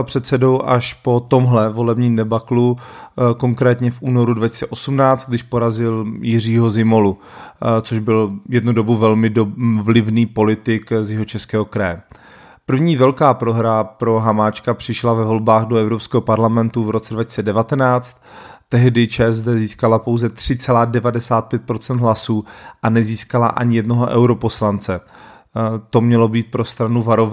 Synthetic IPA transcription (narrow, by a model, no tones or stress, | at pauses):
pr̝̥ɛt̪sɛdo̞wʔaʃpo̞t̪o̞mɦlɛvo̞lɛbɲiːmdɛbakluko̞ŋkɾɛːt̪ɲɛfʔuːno̞ɾudvacɪ̥sɛʔo̞sumnaːt͡st̪̚ɡdɪʃpo̞ɾazɪljɪr̝iːɦo̞zɪmo̞lut͡soʒbɪljɛdnudo̞buvɛlmɪdovlɪvniːpo̞lɪt̪ɪkzjɛɦo̞t͡ʃɛskɛːɦo̞kɾajɛ | pr̩vɲiːvɛlkaːpɾo̞ɦɾapɾo̞ɦamaːt͡ʃkapr̝̥ɪʃlavɛvo̞lbaːɣdoɛvɾopskɛːɦopaɾlamɛnt̪uvɾo̞t͡sɛdvacɪ̥sɛdɛvat̪ɛnaːt͡st̪ː | ɛɦdɪt͡ʃɛzdɛziːskalapowzɛt̪r̝̥ɪt͡sɛlaːdɛvadɛsaːt̪̚pjɛt̪̚pɾo̞t͡sɛnd̪ɦlasuːʔanɛziːskala̰ʔa̰ɲɪjɛdnoɦoʔɛ̰wɾo̞po̞slant͡sɛ | t̪o̞mɲɛlo̞biːt̪̚pɾo̞st̪ɾanuvaɾov